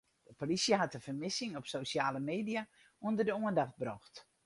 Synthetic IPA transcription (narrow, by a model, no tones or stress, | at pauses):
d̥əpolisjəɦatəfərmɪsɪŋɔpsoːsjaːləmeːdia | uəndərdəoəndaxt̚broxt